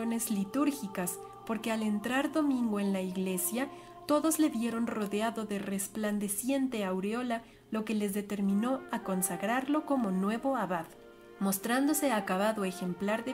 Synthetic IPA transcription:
one̞zlit̪uɾxikas | po̞ɾke̞ale̞nt̪ɾaɾðo̞mĩŋɡoenlaiɣle̞sja | t̪o̞ðo̞zle̞βje̞ɾo̞nro̞ðeaðo̞ðe̞re̞spland̪e̞sje̞nt̪e̞awɾeo̞la | lo̞ke̞le̞zðe̞t̪e̞ɾmĩno̞ako̞nsaɣɾaɾlo̞ko̞mo̞nwe̞βo̞aβað | mo̞st̪ɾand̪o̞se̞akaβaðo̞exe̞mplaɾðe

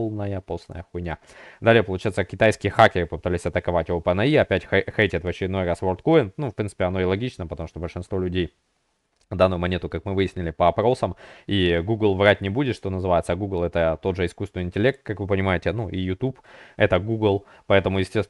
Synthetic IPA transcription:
lˠnəjəposnə̰jəxʊnʲa | d̪alʲɪjəpəlˠʊt͡ɕajɪt̪səkʲɪt̪ajskʲɪjəxakʲɪɾɨpəpɨt̪alʲɪsʲɐt̪əkɐvatʲjɪvopɐnɐiɐpʲætʲxxejtʲɪt̪vət͡ɕɪɾʲɪd̪no̞jɾasvort̪koɪnnufpɾʲint̪ɨ̥pʲɪɐno̞ɪlˠɐɡʲit͡ɕnəpət̪ɐmu̥ʂt̪obəlʲʂɨnst̪vo̞lʲʉdʲej | d̪anːʊjʊmɐnʲet̪ʊkakmɨvɨjɪsʲnʲɪlʲɪpəɐpɾo̞səmiɡuɡlˠvɾat̚ʲnʲɪbudʲɪt̪ʂt̪o̞nəzɨvajɪt̪səɡuɡlˠɛt̪ət̪o̞d̪ʐɨɪskust̪vɪnɨɪnʲtʲɪlʲe̞k̚t̪̚kakvɨpənʲɪmajɪtʲɪnuʔijʊt̪upɛt̪əɡuɡlˠ | pɐɛt̪əmʊjɪsʲtʲes

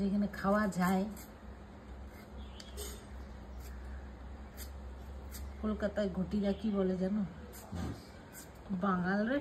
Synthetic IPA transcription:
ekʰanɛkʰawazʱaj | kolkatajɡʱotiɹakʰibɔlezanʊ̃ | baŋalɹe

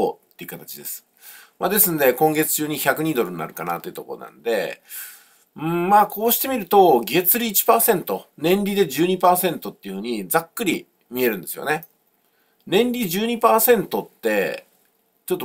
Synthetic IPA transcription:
o̰t̪ːe̞iɯ̟kat̪at͡ɕid̪e̞sɨ̥ | ma̰d̪e̞sɨne̞kõ̞ŋɡe̞t͡sɨ̥t͡ɕɨːɲ̟içakɯ̟ɲ̟iːd̪o̞ɾɯ̟nia̰ɾɯ̟kana̰t̪ːojiɯ̟t̪o̞̰ko̞ɾonã̰nd̪e̞̰ | ɯ̟̃maːkʰo̞ːɕi̥t̪e̞mʲiɾɯ̟t̪o̞ɡʲe̞t͡sɨɾʲiːt͡ɕi̥paːsẽ̞nt̪o̞nẽ̞nɾʲid̪e̞ʑɨːɲ̟ipaːsẽ̞nt̪o̞t̪ːe̞iɯ̟hɯ̟ːɲ̟id͡zakːɯ̟ɾʲi | mʲie̞ɾɯ̟̃nd̪e̞sɨjo̞̰ne̞ | nẽ̞nɾʲiʑɨːɲ̟ipaːsẽ̞nt̪o̞t̪ːe̞ | t͡ɕot̪ːo

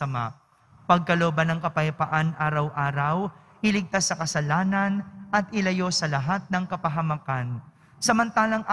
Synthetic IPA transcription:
ɐma̰ʔ | pɐɡ̚kɐloːbɐnɐŋkɐpɐjpɐʔanʔaːɾɐwʔaːɾɐw | ʔɪlɪɡ̚t̪asːɐkɐsɐlaːnɐnʔɐt̪̚ʔɪlɐjo̞sɐlɐɦat̪̚nɐŋkɐpɐɦɐmɐkan | sɐmɐnt̪aːlɐŋʔ

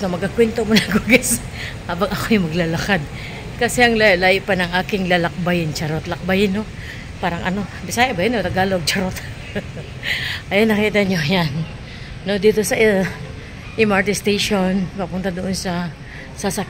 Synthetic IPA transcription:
ɐmɐɡ̚kakwɛnt̪omonɐɡuɡas | haːbɐŋʔɐkojʊŋmɐɡlalɐkad̪̚ | kɐsɛʔɐŋlalaːʔɪʔpanɐŋʔaːkɪŋlalɐk̚bajɪnt͡ʃɐɾot̪lɐk̚bajɪnːo̞ | paːɾɐŋʔɐ̰no̞bɪsaːjɐbɐjanːot̪ɐɡaːlowɐɡ̚t͡ʃɐɾot̪̚ | ʔɐjanːɐkiːt̪ɐɲo̞janː | o̞d̪iːt̪o̞sɐʔ | ʔɪmaɹt̪ɪst̪ejʃonpɐpunt̪ɐd̪oʔonsɐ | sɐsɐk

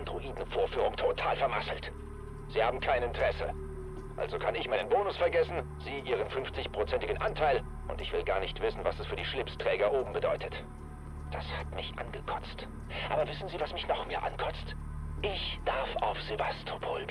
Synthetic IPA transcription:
andʁoʔiːdn̩foːɐfyːʁ̞ʊŋtʰotʰaːlfɛɐma̰sl̩t | z̥iːhaːbm̩kʰaɪnɪntəʁɛsə | ʔa̰lzokʰanɪçmaɪnənboːnʊsfɛɐɡɛsn̩ | z̥iːʔiːʁ̞ənfʏnft͡sɪçpʁ̥ot͡sɛntɪɡən̩ʔantʰaɪl | ʔʊ̰ntɪçv̥ɪlɡaːɐnɪçtv̥ɪsn̩vasɛsfyːɐiːʃlɪpstʁ̥ɛːɡɐʔoːbm̩bədɔʏtʰət | d̥ashatmɪçʔa̰nɡəkʰɔ̥t͡st | ʔa̰ːbɐvɪsn̩ziːvasmɪçnɔχmiːɐʔa̰nkʰɔt͡st | ʔɪçd̥aɐfa̰ʊfz̥evastʰopʰoːl

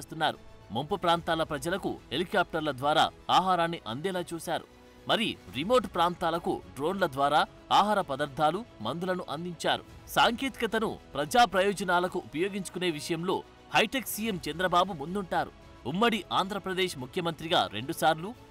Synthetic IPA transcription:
eːst̪unːaːɾṵmompɐpɾaːnt̪aːlɐpɾɐd͡ʒɐlɐkṵhelikaːp̚ʈɐɾlɐd̪ʋaːɾa̰ːaːɦaːɾaːnːiʔɐ̰nd̪ɛːlaːt͡ʃuːsaːɾṵ | mɐɾiɾimo̞ːʈpɾaːnt̪aːlɐkṵɖɾo̞ːnlɐd̪ʋaːɾaː | aːɦaːɾɐpɐd̪ɐɾd̪ʱaːlumɐnd̪ulɐnuʔɐnd̪iɲt͡ʃaːɾṵ | saːŋke̞ːt̪i̥kɐt̪ɐnṵpɾɐd͡ʒaːpɾɐjɔːd͡ʒɐnaːlɐkuʔupɐjo̞ːɡiɲt͡ʃu̥kune̞ːʋiʂɐjɐmlo̞ː | hɐjʈeksijemt͡ʃɐnd̪ɾɐbaːbumund̪uɳʈaːɾṵ | umːɐɽiʔaːnd̪ʱɾɐpɾɐd̪eːʂmukʰjɐmɐnt̪ɾiɡa̰ːɾe̞̰ɳɖusaːɾlu

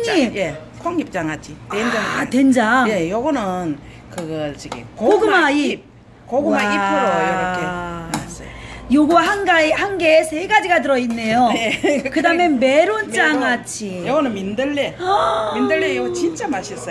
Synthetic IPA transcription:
koŋɲije | kʰoŋɲip̚t͡ɕ͈aŋat͡ɕʰitend͡ʑaŋatwend͡ʑaŋje̞jʌɡʌnɯn | kɯɡʌɭt͡ɕiɡḛkooɡɯmaip̚ | koɡɯmaipʰːɯɾojʌɾʌkemas͈ʌjjoɡuwɦanɡaehanɡe̞sʰeɡad͡ʑiɡat̬ɯɾʌinːe̞jojekɯdameme̞ɾont͡ɕ͈aŋat͡ɕʰijʌɡʌnɯnmindɯɭːemindɯɭːejoɡʌt͡ɕint͡ɕ͈amaɕʰis͈ʌ

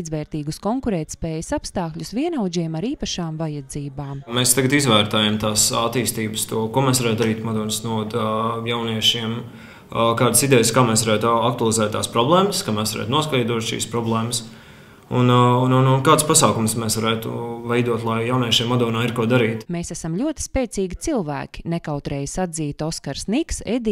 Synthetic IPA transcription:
izʋɛːɾt̪iːɡuskɔŋkuɾɛːt̪ʲspɛːjəsapst̪aːkʎʲusʋiɛnawd͡ʒiɛmaɾiːpɐʃaːmvajɐd̪ziːbaːmmɛst̪aɡat̪izʋæːɾt̪ajamt̪aːsat̪iːst̪iːbəst̪uɔkuɔmɛsʋaɾæːt̪d̪aɾiːt̪mɔd̪ɔːnsnuɔd̪jawniɛʃiɛm | kaːd̪əsid̪ɛjskaːmɛːs̬ʋaɾæːt̪ak̚t̪ualˠizæːt̪t̪ːa̰ːspɾɔblˠɛːməskaːmɛsʋaɾæ̰ːt̪nuɔskɛjd̪uɔt̪ʃḭːspɾɔblˠɛːməs | ununununkaːd̪spasɑːkumsmɛːsʋaɾæːt̪ṵvɛjd̪uɔt̪lˠajjawniɛʃiɛmːɔd̪ɔːnaːiɾkuɔd̪aɾiːt̪meːsæsamlʲuɔt̪i̥spʲɛːt̪siːɡʲit̪silˠvæ̰ːkʲi̥nɛkawt̪ɾɛjsad̪ziːt̪ɔskaɾsniksɛd̪i

